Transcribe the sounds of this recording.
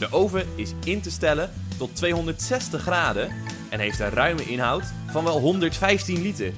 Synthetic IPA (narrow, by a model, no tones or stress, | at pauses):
d̥əʔowvəɪsɪntəstɛlə | tɔtʋejɦɔndəɹtsɛstəχraːdə | ɛnɦejftənrœɥməʔɪnɦɑwt | fɑnʋɛlˠɦɔndəɹtfɛjftinlitəɹ